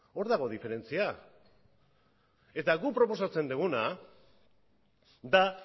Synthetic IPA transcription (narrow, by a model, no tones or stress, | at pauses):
o̞ɾðaɣ̞o̞ðife̞ɾe̞nt͡sia | e̞t̪aɣupɾo̞po̞sat͡se̞nd̪uɣuna | d̪a